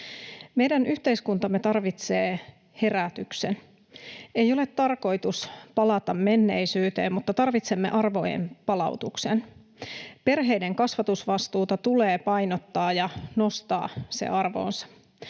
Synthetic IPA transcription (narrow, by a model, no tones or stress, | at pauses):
me̞jdænʔyht̪e̞iskunt̪ɑmːet̪ɑrʋit̪seː | he̞ræt̪yksen | ejo̞le̞t̪ːɑrko̞jt̪uspɑlɑt̪ɑmːmenːe̞jsyːt̪e̞ːmmut̪ːɑt̪ɑrʋit̪se̞mːe̞ʔɑrʋo̞̰jḛmpɑlɑ̰ut̪uksen | pe̞rɦe̞jde̞ŋkɑsʋɑt̪usʋɑst̪uːt̪ɑt̪ule̞ːpɑjnot̪ːɑːjɑno̞st̪ɑ̰ːsḛɑrʋo̰ːnsɑ̥